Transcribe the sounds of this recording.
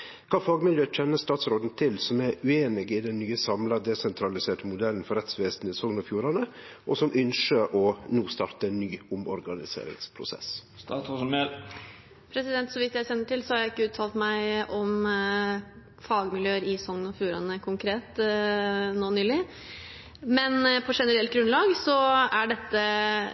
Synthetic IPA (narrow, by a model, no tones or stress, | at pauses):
kʰɑːfɑːɡmɪljøːc͡çʰɛnːəst̪ɑːt̪sɾoːd̪n̩t̪ʰɪlsɔmæɾʉeːnɪɡɪd̪ɛnːyːəsɑmlɑd̪ɛsɛnt̪ʰɾɑlɪseːʈəmʊd̪ɛlːən̩fɔɾɛt̪sʋeːsn̩ɪsɔŋnɔfjuːɾɑnə | ʔɔsɔmʔʏnʂəɾɔnuːst̪ɑːɾt̪əɛnːyːʊmɔ̰ɾɡɑnɪsḛːɾɪ̰ŋspʰɾʊ̰sɛ̰s | st̪ɑːosme | pʰɾɛsɪd̪ɛnt̪sɔʋɪt̪jæɪsɛnːəʈɪlsɔhɑɾjæɪɪkːəʉːt̪ʰɑːlt̪mæɪʔɔm | fɑːɡmɪljøːəɾɪsɔŋnɔfjuːɾɑnəkʰʊŋkʰɾeːt̪ | noːnyːlɪ | mɛnpʰɔʂɛnəɾɛlt̪̚ɡɾʉnlɑːɡsɔæɖɛt̪ːə